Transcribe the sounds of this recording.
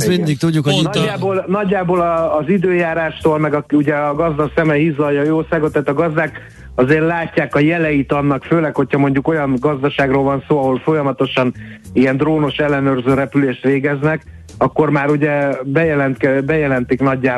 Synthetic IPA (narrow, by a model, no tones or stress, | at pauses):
mind̪ik̚t̪uɟːukhoiaːboːlnɒɟːaːboːlɒːzid̪øːjaːɾaːʃt̪oːlmɛɡɒkuɟɛɒɡɒzd̪ɒksɛmɛɦizlɒjjɒoːsaːɡo̞t̪ːaːt̪ɒɡɒzd̪aːk | ɒzeːrlaːcːaːkɒjɛlɛjit̪ɒnːɒkføːlɛkhocʰhɒmo̞ɲɟuko̞jɒnɡɒzd̪ɒʃaːɡroːlvɒnsoːɒɦo̞lfo̞jɒmɒt̪o̞ʃɒniɛnd̪roːno̞ʃɛlːɛnøːrzøːɾɛpyleːʃt̪ʋeːɡɛznɛk | ɒkːo̞rmaːɾuɟɛbɛjɛlɛnt̪kɛbɛjɛlɛnt̪iknɒɟːaː